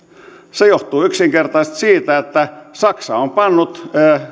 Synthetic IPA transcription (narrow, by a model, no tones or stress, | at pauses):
sejoht̪uːyksiŋkert̪ɑist̪siːt̪æet̪ːæsɑksɑompɑnːut̪ː